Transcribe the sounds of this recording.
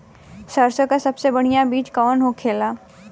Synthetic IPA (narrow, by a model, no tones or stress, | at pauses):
sɐɾsəkasɐbsebɐɽ̤ijabiːt͡ʃkɔːnɦokʰeːlaː